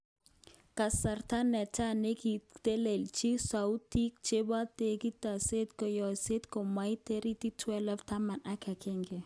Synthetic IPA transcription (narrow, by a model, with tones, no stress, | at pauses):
ka˨sa˨ɾta˦nɛ˨ta˦ne˦ki˨te˦le˨lt͡ʃi˦sa˨u˦ti˦k̚t͡ʃe˦ba˦te˨ki˦ta˨se˦t̪kɔ˨jɔ˨se˦t̪kɔ˨ma˦jte˦ɾi˦ti˦twɛ˦lɔ˦fta˦ma˨na˦kɛ˨kɪ˦ŋɡɛ˨